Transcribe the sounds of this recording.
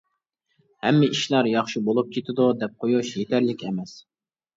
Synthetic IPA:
hɛmːɪʔiʃlˠɑɾjɑχʃibolˠup̚kʲʰet̪ʰɪd̪ʊd̪ɛp̚qʰojuʃjet̪ʰɛɾlɪkʲʰɛmɛs

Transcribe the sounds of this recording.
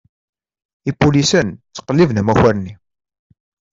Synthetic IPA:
ipːulisənt͡sːə̥qːəlːivnəmæçæɾni

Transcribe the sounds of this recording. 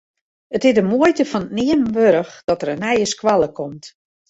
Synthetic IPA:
ətɪdəmuəjtəfɔnətnɪəmʋøɾəxd̥ɔtəɾənɛjəskwalˠəkʰɔmt

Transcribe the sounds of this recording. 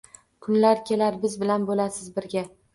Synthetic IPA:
kʰʊnlaɾkʲʰe̞laɾbɪzbɪlanbolasɪzbɪɾɡʲa

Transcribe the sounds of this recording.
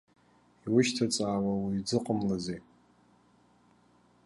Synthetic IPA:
iwʊʃtʰat͡sʼaːwawid͡zɨqʼəmlaze

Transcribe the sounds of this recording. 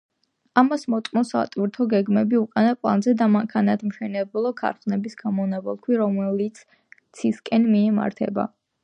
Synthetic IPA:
amasmɔt̪ʼqʼmɔsa̰t̪ʼwiɾt̪ʰɔɡɛɡmɛbiukʼanapʼlˠa̰nzɛd̪amaŋkʰanat̪ʰmʃɛnɛblˠɔkʰa̰ɾχnɛbisɡ̥amɔnɛbɛ̰lˠkʰwiɾɔmɛlit̪sʰ | t̪sʰiskʼɛnmiɛma̰ɾt̪ʰɛ̰ba̰

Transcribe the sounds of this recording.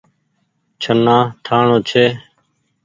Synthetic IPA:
t͡ʃʰənːaːt̪ʰaːɳoːt͡ʃʰeː

